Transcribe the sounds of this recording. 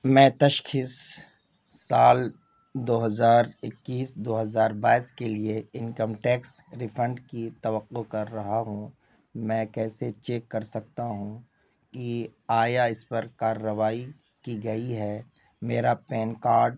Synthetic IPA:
mɛ̃ːt̪ɐʃkʰɪsː | aːl | d̪oːɦɐzaːɾɪkːiːsd̪oːɦɐzaːɾbaːɪskelieɪnkəmʈɛːksɾɪfʰɾə̃ɳɖkit̪ɐʋəqːokɐɾːɐɦaɦũ | mɛ̃ːkɛːset͡ʃeːkːɐɾsɐkt̪aɦũ | kiaːjaɪspɐɾkaːɾːəʋaːi | kiɡɐiɦɛ | meːɾapɛːnkaːɾɖ

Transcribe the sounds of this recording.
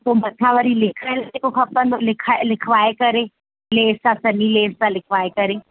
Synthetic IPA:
kobɐt̪ʰaʋəɾilɪkʰəlekoxɐpə̃nd̪olɪkʰalɪkʰʋaːekɐɾe | leːsãsɐnileːsãlɪkʰʋaːekɐɾe

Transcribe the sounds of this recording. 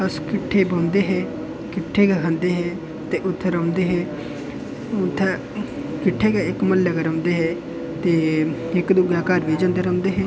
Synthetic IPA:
əskɪʈʰːeːbãːnd̪eːɦɛː | kɪʈʰːeːkɛːkʰãːnd̪eːɦɛː | t̪eːʔʊt̪ʰːeːɾəʊnd̪eːɦɛː | ʊt̪ʰːe | kɪʈʰːeːkɛːɪkməlːɛɡeɾəːnd̪eːɦɛː | t̪eːɪkd̪uɡaːkaːɾʋeːd͡ʒãə̃ːnd̪eːɾə̃ːnd̪eːɦɛː

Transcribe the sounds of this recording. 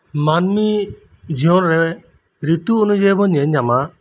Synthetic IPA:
manmi | d͡ʒiɔnɾɛ | ɾit̪uːnud͡ʒɛbɔɲɛɲːama

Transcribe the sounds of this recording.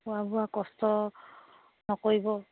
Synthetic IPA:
ʊabʊakɔstɔ | nɔkoɹibɔ

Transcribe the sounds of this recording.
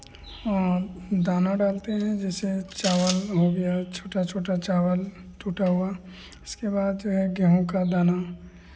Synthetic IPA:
ɔːɾd̪aːnaɖaːlt̪eɦɛ̃d͡ʒɛːset͡ʃaːʋəlɦoɡɐjat͡ʃʰoːʈat͡ʃʰoːʈat͡ʃaːwəl | t͡ʃuːʈaɦua | ɪskebaːd̪d͡ʒoːɦɛɡɛɦõkad̪aːna

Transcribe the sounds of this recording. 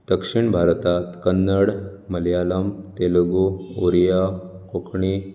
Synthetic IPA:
d̪̥əkʂiɳbʱaɾt̪at̪kənːəɽməljaləmt̪elɡuoɾijakokʰɳi

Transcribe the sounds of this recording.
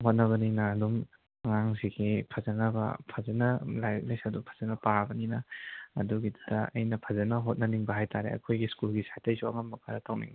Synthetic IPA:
ɦot̚nɐβɐninɐːdum | ɐŋaŋsiɡipʰɐzɐnɐbɐ̰pʰɐzɐnɐlajklesɐdupʰɐ̥zɐnɐpabɐninɐ̰ːduɡidudɐɐ̰jnɐpʰɐzɐnɐɦot̚nɐniŋbɐɦajtaɾḛɐ̰kʰojɡiskulɡisajtɐjsuɐŋɐmbɐkʰaɾɐtʰawnḭŋbi

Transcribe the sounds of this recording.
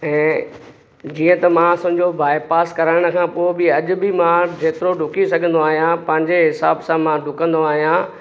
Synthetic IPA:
ɛ̃ː | d͡ʑiːə̃t̪ɐmãsʊ̃ɦɪ̃ɲd͡ʑobaːɪpaːskɐɾəːɪɽ̃ə̆kʰãpoːɪbɪɐʄʊ̆bɪmãd͡ʑeːt̪ɪɾoɖʱʊkisɐɡʱə̃nd̪oaːɦijãpɐ̃ɦɪ̃ɲd͡ʑeɦɪsaːbsãmãɖʱʊkə̃nd̪oaːɦijã

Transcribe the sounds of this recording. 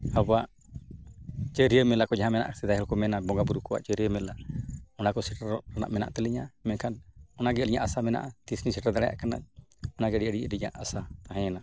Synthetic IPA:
habaʔ | t͡ʃəɾiəmɛlakɔd͡ʒaɦãmɛna̰ʔsɛd̪ajɦɛlkɔmɛnabɔŋɡabuɾukɔwa̰ʔt͡ʃəɾijəmɛlaɔnakɔsiʈaɾɔʔɾana̰ʔmɛna̰ʔt̪ɛliɲamɛnkʰanɔnaɡɛəliɲaʔasamɛna̰ʔat̪isnisiʈaɾd̪ɛɽaja̰ʔkana̰ʔɔnaɡɛɖiʔəɽiəɾiɲa̰ʔasat̪aɦɛ̃na

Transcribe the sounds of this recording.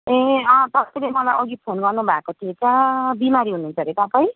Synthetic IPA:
ẽʌt̪ʌpjlemʌlajʔʌɡipʰonɡʌrnubʱakoʈʰiet͡sʌbimaɾiɦununt͡sʰʌɾet̪ʌpaj

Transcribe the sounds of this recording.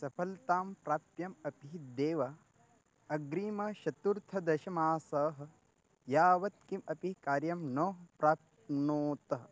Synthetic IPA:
sɐpʰɐlt̪aːmpɾaːp̚t̪jɐmɐpiɦd̪eːʋɐ | ɐɡɾiːmɐʃɐt̪uɾt̪ʰɐd̪ɐʃɐmaːsɐːɦɐ̆ | jaːʋɐt̪̚kimɐpikaːɾjɐmnoːpɾaːt̪̚ | noːt̪ɐ

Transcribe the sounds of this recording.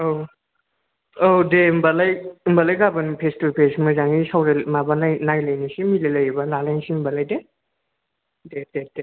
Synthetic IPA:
ow | owdembalajmbalajɡabɯnipʰestupʰesmazaŋisawɾemabalajnajlajnisimilelajbanalajnsimbalajde | detede

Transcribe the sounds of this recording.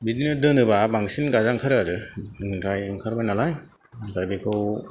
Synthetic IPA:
bidinɯdɯnɯbabaŋsinɡazaŋkʰɯɾaɾɯɯŋkɾajɯŋkʰaɾbajnalaj | dajbekʰɯw

